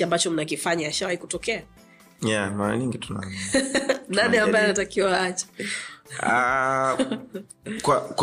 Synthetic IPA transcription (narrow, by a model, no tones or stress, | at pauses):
iambat͡ʃɔm̩nak̬ifaɲaaʃawahikutɔkɛa | jamaɾa̰ɲiŋɡituna̰ | naniambaɛnatakiwaat͡ʃḁ | a | kwak